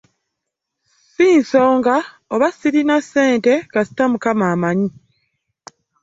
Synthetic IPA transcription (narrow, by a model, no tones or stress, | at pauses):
siːnsoːŋɡa | oβasiɾinasːe̞ːnte̞kɡasi̥tamukamaːmaɲi